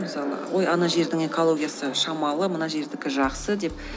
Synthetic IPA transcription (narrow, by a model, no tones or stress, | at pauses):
məsɑlˠə̰wʔo̞jɑnɑʒe̞ɾd̪ɪŋe̞ko̞lˠo̞ɡʲijasəʃɑmɑlˠəmənɑʒe̞ɾd̪ɪkʲɪʒɑqsəd̪e̞p̚